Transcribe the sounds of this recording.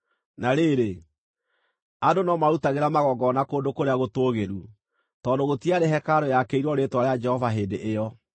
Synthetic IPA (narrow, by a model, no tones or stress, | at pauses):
naɾeɾe | adonɔmaɾutaɣeɾamaɣɔɡɔnakoːndokoɾeaɣotoːɣeɾu | tɔdoɣotiaɾeɦɛkaɾojakeiɾwɔɾetwaɾead͡ʒɛhɔvaɦeːndeʔːjɔ